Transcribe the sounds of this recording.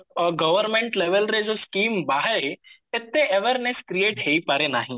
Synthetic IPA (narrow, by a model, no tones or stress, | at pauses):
ɔɡɐʋəɾmẽɳʈleʋəlɾed͡ʒoskiːmbaːɦəɾeket̪ːeeʋeɾneskɾijeːʈɦeipaɾenaːɦĩ